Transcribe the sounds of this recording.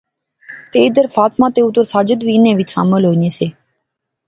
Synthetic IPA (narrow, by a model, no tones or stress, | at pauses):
t̪eːid̪əɾfaːt̪mãːt̪eːut̪oɾsaːd͡ʒəd̪ʋiːnẽːʋɪt͡ʃsa̰ːməlɦoːneːseː